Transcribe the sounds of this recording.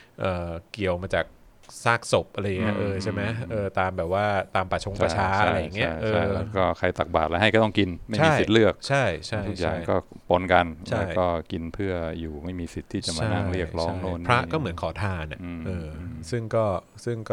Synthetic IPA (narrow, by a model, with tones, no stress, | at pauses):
ʔɤː˨˩ki˨˩əwmaː˧t͡ɕaː˨˩k̚ | saː˥˩k̚so˨˩p̚ʔa˧ɾa˧ja˨˩ŋi˦˥˩ʔɤː˧t͡ɕʰe˥˩ma˦˥jʔɤː˧t̪aː˧mbɛː˨˩p̚waː˥˩t̪aː˧mpa˨˩t͡ɕʰo˧ŋt͡ɕʰa˧˥˧t͡ɕʰaː˧˥ʔaa˧a˧jːa˨˩ŋːi˦˥˩ʔɤː˧a˥˩jɛ˦˥kɔː˥˩kʰa˧jt̪a˨˩k̚ba̰ː˨˩t̪̚la˧˥ɦa˥˩jkɔ˥˩ɔ˥˩ŋki˧nma˥˩amiː˥˩ji˨˩lɯ˥˩ək̚t͡ɕʰa˥˩jt͡ɕʰa˧˥˩u˦k̚ja̰ː˨˩ŋkɔː˥˩po˧nka˧nt͡ɕʰaa˦˥˩jkɔː˥˩ki˧npʰɯ˥˩əjuː˨˩ma˥˩jmiː˧si˨˩t̪ʰːiː˥˩t͡ɕa˨˩mt͡ɕaːa˧˦na˥˩ŋɾi˥˩ək̚ɾɔː˦˥ŋnoː˥˩npʰɾa˥˦˥ʔkɔː˥˩mɯ˩˦ənkʰɔː˩˦t̪ʰaː˧na̰˨˩˧ʔɤː˧sɯ˥˩ŋkɔː˥˩ | sɯ˥˩ŋkɔ˥˩